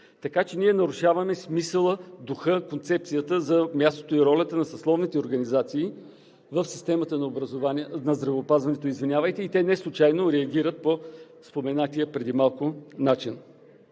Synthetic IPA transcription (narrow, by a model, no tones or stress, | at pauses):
t̪ɐkat͡ʃɛnʲiɛnɐɾuʃavɐmɛsmisəlˠəd̪uxɤkont̪sɛp̚t̪sijət̪əzɐmʲjast̪ot̪oiɾɔlʲət̪ənɐsɐslˠɔvnit̪ɛoɾɡɐnizat̪siː | vəfsist̪ɛmət̪ənɐobɾɐzovanɐzd̪ɾɐvɛːpazvɐnɛt̪oizvinʲjavəjt̪ɛit̪ɛnɛslˠʊt͡ʃajnoɾɛɐɡ̟ʲiɾət̪̚po | spomɛnat̪ʲijəpɾɛd̪imalˠkʊnat͡ʃin